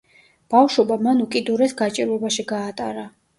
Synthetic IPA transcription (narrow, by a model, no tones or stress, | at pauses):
b̥afʃɔbamanukʼid̪uɾɛsɡat͡ʃʼiɾɛbaʃiɡaːt̪ʼaɾa